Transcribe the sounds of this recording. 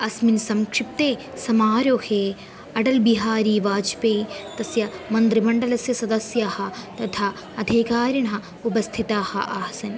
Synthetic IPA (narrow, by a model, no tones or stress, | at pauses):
ɐsminsɐmkʂip̚t̪eː | sɐmaːɾoːheː | ɐɖɐlbiɦaːɾiːʋaːd͡ʒpeːt̪ɐsjɐmɐnd̪ɾibɐɳɖɐlɐsjɐsɐd̪ɐsjaːhɐ̆t̪ɐt̪ʰaː | ɐd̪ʱiːkaːɾɐɳɐɦɐ̆ | upɐst̪ʰit̪aːhɐ̰ʔaːsɐn